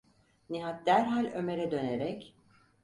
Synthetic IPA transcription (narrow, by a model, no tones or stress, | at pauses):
niɦat̪̚d̪æɾɦalʲø̞me̞ɾɛd̪ø̞neɾɛc